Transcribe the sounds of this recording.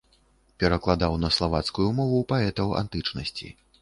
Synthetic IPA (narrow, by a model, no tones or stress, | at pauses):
pʲɛɾɐklˠad̪awnɐslˠavat̪skujumɔvupaɛt̪ɐwa̰nt̪ɨt͡ʂnɐsʲt͡sʲḭ